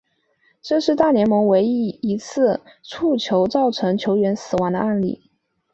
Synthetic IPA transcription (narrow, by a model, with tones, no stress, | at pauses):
ʈ͡ʂɤ˥˧ʂɻ̩˥˧t̪a˥˩njɛ˧˥nmɤ˧˥ŋwe˧˥ɪi˥˩i˧˥t͡sʰɹ̩˥˩ʈ͡ʂʰu˥˩t͡ɕʰjo˧˥ʊt͡sɑ˥˩ʊʈ͡ʂʰɤ˧˥ŋt͡ɕʰjo˧˥ʊɥɛ˧˥nsɹ̩˨˩wa˧˥ŋd̪ə̰˧a˥˩˧nlḭ˥˩